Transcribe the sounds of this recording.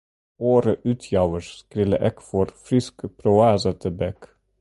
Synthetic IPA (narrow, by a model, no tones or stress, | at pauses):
oːɾəʔʉːt̪ʰjɑʋəʃskɾɪːlə̰ʔeːkfɔɾfɾɪskəpʰɾʊæːsət̪ʰəbɛk